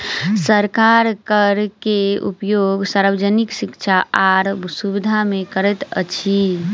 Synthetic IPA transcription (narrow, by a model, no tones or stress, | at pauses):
səɾkaɾkəɾkeṵpjoɡsaɾʋd͡ʒəniksikt͡ʃʰaʔaɾbsubid̪ʱamekəɾɛt̪ə̰t͡ʃʰi